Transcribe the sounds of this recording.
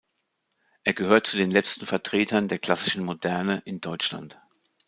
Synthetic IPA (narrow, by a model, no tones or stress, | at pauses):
ʔeːɐɡəɦøːɐt̚t͡sudeːnlɛt͡stn̩fɛɐtʁ̥eːtʰɐndeːɐkl̥asɪʃn̩modɛɐnəʔɪndɔʏt͡ʃla̰nt